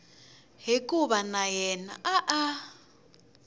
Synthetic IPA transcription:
ɦikʼuβanajɛna̰ʔaʔa

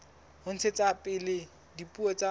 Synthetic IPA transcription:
hʊn̩t͡sʰet͡sʼapʼɪlɪ | dipʼuɔt͡sʼa

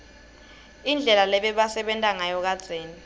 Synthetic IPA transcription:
ind͡ɮʱɛlalɛɓɛɓasɛɓɛntʼaŋajɔk̬ad̥z̥ʱeːni

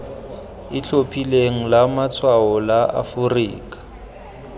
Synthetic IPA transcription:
ɪt͡ɬʰopʰʼileŋ̩lamat͡sʰwaɔlaa̰fʊriːkʼḁ

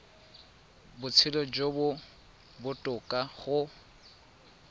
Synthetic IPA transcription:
bʊt͡sʰɪlɔd͡ʒobʊ | bʊtʼʊkʼaχʊ

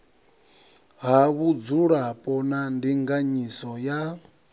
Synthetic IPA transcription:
ɦaβud͡zuɺapʼɔnandiŋɡaɲisɔja

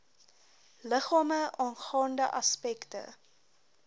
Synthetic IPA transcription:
ləχɑːməɑːnχɑːndəʔɐspɛktə̰

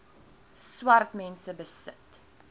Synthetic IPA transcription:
swɐrtmɛnsəbəsət

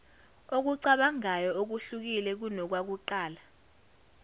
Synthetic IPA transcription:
ok̬uǀaɓaŋajɔok̬uɬuk̬ilɛk̬unɔk̬wak̬uǃaːla

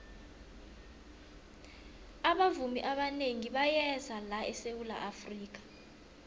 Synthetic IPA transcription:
aɓavumiʔaɓaneŋiɓajɛzalaʔɛsewula̰ʔafriːk̬ḁ

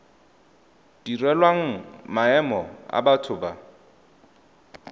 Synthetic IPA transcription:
d̥irɛlwaŋ̩maɛmɔa̰batʰʊba

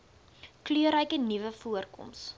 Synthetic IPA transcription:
klyəɾəjkənivəfuərkɔ̰ms

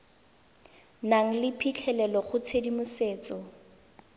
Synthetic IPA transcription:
naŋ̩lɪpʰit͡ɬʰɛlɛlɔχʊt͡sʰedimʊseːt͡sɔ

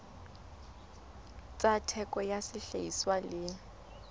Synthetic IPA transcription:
t͡sʼatʰɛkʼɔjasɪɬeiswalɪ

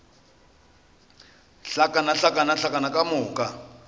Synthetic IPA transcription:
ɬakʼanaɬakʼanaɬakʼanakʼamʊːkʼa

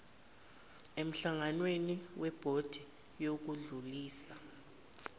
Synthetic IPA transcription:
em̩ɬaŋanweniwɛb̥ʱod̥ʱi | jok̬uɮuliːsa

